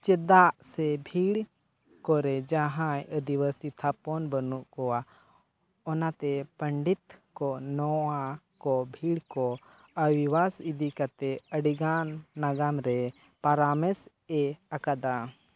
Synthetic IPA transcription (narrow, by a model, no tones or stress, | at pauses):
t͡ʃɛd̪aʔsɛbʱiɽ | kɔɾɛd͡ʒaɦãjəd̪iwəsit̪ʰapɔnbənuʔkɔwa | ɔnat̪ɛpəɳɖit̪kɔnɔwakɔbʱiɽkɔ | əwiwasid̪ikat̪ɛəɽiɡanːaɡamɾɛ | paɾamɛs | ɛakad̪a